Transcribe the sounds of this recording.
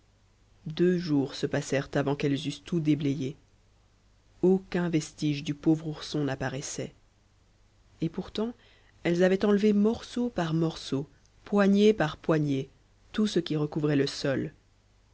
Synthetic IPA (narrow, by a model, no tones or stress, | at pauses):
d̪øʒuʁsəpasɛʁt̪avɑ̃kɛlzyst̪ʰud̪ebleje | okʲɛ̃vɛst̪iʒd̪ypovʁuʁsɔ̃napaʁɛsɛ | epuʁt̪ɑ̃ | ɛlzavɛt̪ɑ̃lvemɔʁsopaʁmɔʁso | pwaɲepaʁpwaɲe | t̪usəkʲiʁəkuvʁɛləsɔl